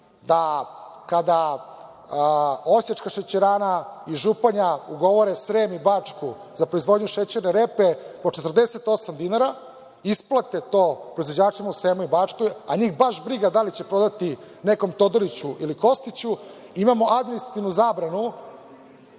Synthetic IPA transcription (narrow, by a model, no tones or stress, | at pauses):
d̪akad̪a | osjaʈ͡ʂkaʃet͡ɕeɾaːnaiʒupaɲauɡo̞ʋo̞ɾesɾeːmibaːt͡ʂku | zapɾoizʋo̞d̪ɲuʃet͡ɕeɾneɾepepo̞t͡ʃe̞t̪r̩d̪ese̞t̪o̞samd̪inaɾa | isplˠat̪et̪o̞ːpɾoizʋod͡ʑaːt͡ʂimausɾeːmoibat͡ʂko̞jaɲiːxbaʃbɾiɡad̪alit͡ɕe̞pɾo̞d̪at̪i | ne̞ko̞mt̪o̞d̪olit͡ɕuʔiliko̞st̪it͡ɕu | imamo̞ʔad̪minist̪ɾat̪iʋnuzaːbɾanu